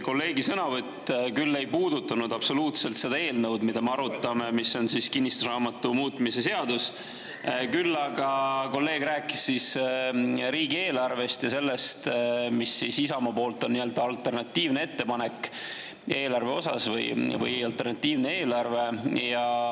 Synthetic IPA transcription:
ko̞lːe̞ːɡisɤnɑvɤt̪ːˑkylːe̞jpuːd̪ut̪ːˑɑnud̪̥ɑpso̞luːt̪se̞lt̪se̞d̪̥ɑe̞ːlnɤwd̪mid̪̥ɑmeɑɾut̪ːˑɑme̞misːo̞nsiskinʲːist̪usrɑːmɑt̪ːˑumuːt̪ːˑmise̞se̞ɑd̪us | kylːɑɡ̥ɑko̞lːe̞ːɡ̥ræːkːˑi̥sːis | ɾiːɡie̞ːlɑrve̞st̪jɑse̞lːe̞st̪misːisisɑmɑpo̞ːlt̪ːˑo̞nːiø̞ld̪̥ɑɑlt̪e̞rnɑt̪ːiːvnee̞t̪ːe̞pɑne̞k | e̞ːlɑrve̞o̞sɑ̰svɯ̰jvɯ̰jɑlt̪ːe̞rnɑt̪ːˑiːvne̞eːlɑrve̞jɑ

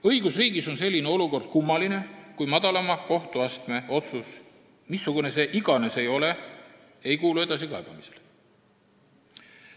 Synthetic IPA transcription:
ɤjɡ̥usriːɡiso̞ns̬e̞lʲːineo̞luko̞rd̪̥̚kumːɑline̞kujmɑd̪̥ɑlɑmɑko̞ht̪uɑst̪me̞o̞t̪sus | misːuɡ̥une̞se̞ʔiɡɑne̞se̞jo̞le̞ | e̞jkuːlue̞d̪̥ɑsikɑeb̥ɑmisel

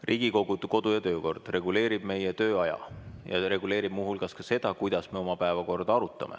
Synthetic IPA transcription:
rʔiːɡ̥iko̞ɡ̥ud̪̥ko̞d̪̥ujɑt̪ø̞ːko̞rd̪̥re̞ɡ̥ule̞ːɾib̥me̞jet̪ø̞ːɑjɑ̰jɑ̰ɾe̞ɡule̞ːɾib̥muɦulkɑskɑse̞d̪̥ɑkujd̪̥ɑsme̞o̞mɑpæevɑko̞rd̪̥ɑɑɾut̪ːˑɑ̰mʔḛ

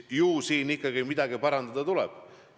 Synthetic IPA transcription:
juːsiːnikˑːɑɡimid̪̥ɑɡipɑɾɑnd̪̥ɑd̪̥ɑt̪ulɛ̰b̥

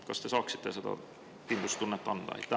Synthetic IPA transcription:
kɑst̪esɑːksi̥t̪ːeset̪ɑ̰ | pind̪ust̪unːet̪ːɑnd̪̥ɑ̰ḛt̪ːæ

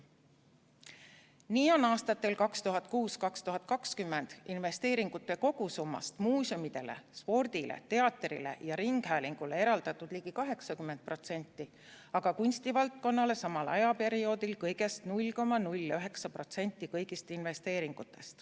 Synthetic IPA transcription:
niːo̞nɑːst̪ɑt̪ːe̞lkɑkst̪uɦɑt̪̚ˑkuːskɑkst̪uɦɑt̪̚ːˑkɑkskymːe̞nd̪̥inve̞st̪e̞ːɾiŋɡ̥ut̪ːˑe̞ko̞ɡ̥usumːɑ̰st̪muːsumid̪e̞̰le̞̰spo̞rd̪̥ilʔḛt̪e̞ɑt̪ːˑrḭle̞̰jɑɾiŋɡ̥hæːliŋɡ̥ule̞e̞ɾɑld̪̥ɑt̪ːˑud̪̥liːɡikɑɦe̞ksɑkymːend̪̚pro̞t̪se̞nʲt̪ˑːi | ɑɡ̥ɑkunʲst̪ivɑlt̪̚ko̞nːɑle̞sɑmɑlʔɑ̰jɑpe̞ɾio̞ːd̪ilkɤjɡe̞st̪nulʲko̞mːɑnulʲːɑyɦe̞ksɑpro̞t̪se̞nʲt̪ːˑikɤjɡist̪inve̞st̪e̞ːɾiŋɡ̥ut̪ːˑe̞st̪

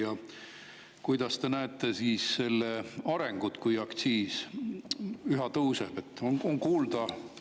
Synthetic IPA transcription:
jɑ | kujd̪ɑst̪e̞næet̪ːˑe̞siːsːe̞lːeɑɾe̞ŋɡ̥ut̪kujɑkt̪siːs | yɦɑt̪ɤwseb̥e̞t̪ːˑonoŋkuːld̪̥ɑ

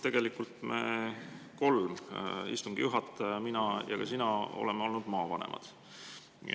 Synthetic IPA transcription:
t̪e̞ɡ̥e̞likːult̪me | ko̞lmḭst̪uŋɡ̥ijuɦɑt̪ːˑminɑjɑ̰kɑsinɑo̞̰le̞meo̞lnud̪̥mɑːvɑnḛmʔɑ̰d̪̥

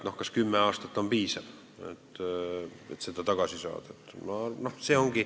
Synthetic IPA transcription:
nohkɑskymːeɑːst̪ɑt̪ːo̞mpiːsɑv | ḛt̪ː | ḛt̪sed̪̥ɑt̪ɑɡ̥ɑsisɑ̰ːd̪̥et̪ːmɑnohseːo̞ŋɡi

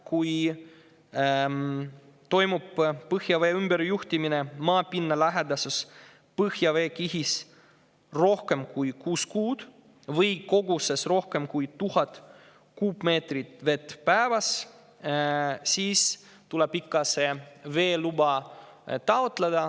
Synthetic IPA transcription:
kuj | t̪o̞jmubpɤhjɑveːymbe̞ɾjuht̪iminemɑːpinːɑlæɦed̪ɑsus | pɤhjɑve̞ːkiɦis | ro̞hke̞mkujkuːskuːd̪̥ | vɤjko̞ɡuse̞sro̞hke̞mkujt̪uhɑt̪ | kuːpme̞ːt̪rit̪ve̞t̪vpæevɑs | siːs | t̪uleb̥ikːɑse̞ve̞ːlubɑ | t̪ɑot̪led̪̥ɑ

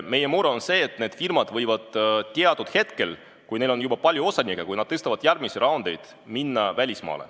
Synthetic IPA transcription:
me̞je̞muɾeonse̞ːt̪ne̞d̪̥firmɑd̪̥vɤjvɑd̪̥t̪iɑd̪ud̪̥he̞t̪ke̞l | kujne̞jlo̞njubɑpɑlʲjuo̞sɑnʲikːekujnɑd̪̥̚t̪est̪ɑvɑd̪̥jærmisiɾʔɑond̪e̞jd̪̥ | minːɑvælʲismɑ̰ːlḛ

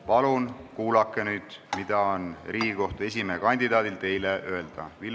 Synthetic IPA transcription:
pɑlunkuːlɑkːˑenyːd̪̥mid̪̥ɑo̞nriːɡiko̞ht̪e̞s̬ʲimeːkɑnʲd̪id̪ɑːd̪ilt̪e̞jleʔøe̞ld̪̥ɑ̰vil

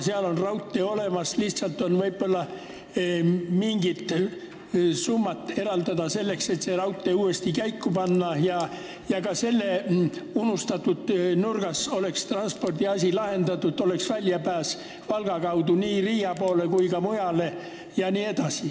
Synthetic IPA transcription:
seɑlo̞nrɑwt̪ːˑeo̞le̞mɑsliht̪sɑlt̪ːo̞nvɤ̞jb̥o̞lːɑ | miŋɡ̥it̪ | sumːɑt̪ːˑe̞ɾɑld̪ɑd̪ɑse̞lːe̞kse̞t̪serɑwt̪ːˑe̞uːe̞st̪ikæjkːupɑnːɑjɑ | jɑkɑse̞lːeunust̪ɑt̪ːud̪nurɡ̥ɑso̞le̞kst̪rɑnspo̞rd̪̥iɑsʲilɑhe̞nd̪ɑt̪ːˑut̪o̞le̞ksvælʲjɑpæːs | vɑlɡ̥ɑkɑwd̪uniːriːjɑpo̞ːlekujkɑmujɑle̞ | jɑniːe̞d̪̥ɑsi

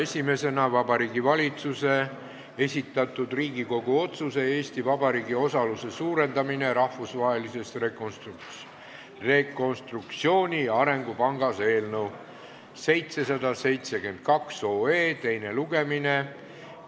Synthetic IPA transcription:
e̞sʲime̞se̞nɑvɑbɑɾiːɡivɑlʲit̪suse̞ | e̞sʲit̪ːˑɑt̪ːˑud̪riːɡiko̞ɡ̥uo̞t̪suse̞e̞ːsʲt̪ivɑbɑɾiːɡio̞sɑluse̞suːɾe̞nd̪ɑmine̞ɾɑhvusvɑːɦe̞lise̞st̪rekonst̪ | re̞ko̞nst̪rukt̪sio̞ːnʲiɑɾe̞ŋɡupɑŋɡ̥ɑse̞ːlnəw | se̞jt̪se̞sɑd̪ɑse̞jt̪se̞ke̞nd̪̥̚kɑkso̞ːe̞ːt̪e̞jne̞luɡ̥e̞mine

